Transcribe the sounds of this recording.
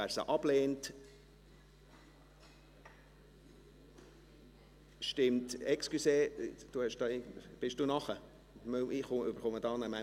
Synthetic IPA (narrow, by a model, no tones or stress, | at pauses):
æɾsə̰ʔɑb̥leːnt | ʃtɪmtɛkskyseːd̥uhɛʃd̥ɑːɪb̥ɪʃd̥uːnɑχə | møiχʊøbəɾχɔmədɑːnəmæ